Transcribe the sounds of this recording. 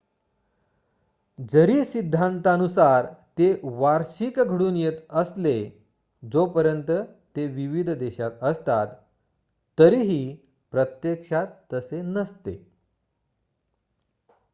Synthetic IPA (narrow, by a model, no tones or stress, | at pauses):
d͡zəɾiːsid̪ʱːant̪aənusaɾt̪eʋaɾɕikɡʱəɽuːnjet̪əsle | d͡zopəɾjənt̪ət̪eʋiʋid̪ʱd̪eɕat̪əst̪at̪ː | əɾiːɦiː | pɾət̪jekʂat̪ːəsenəst̪ḛ